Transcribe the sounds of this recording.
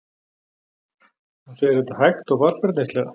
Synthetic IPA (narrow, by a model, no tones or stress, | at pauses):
ansɛɛɾθɛt̪ahajxt̪ɔɣvaɾpɛɾt̪nejst̪lɛɣa̰